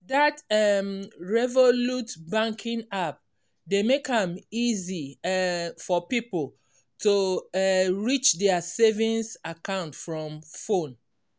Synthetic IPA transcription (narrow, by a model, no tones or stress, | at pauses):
datɛmɹɛvolutbãŋkʰĩŋap̚ | demekãmizi | fɔpipl̩ | tʰu | ɹit͡ʃdɛasevĩnsakãʊ̃ntfɹɔ̃mfõn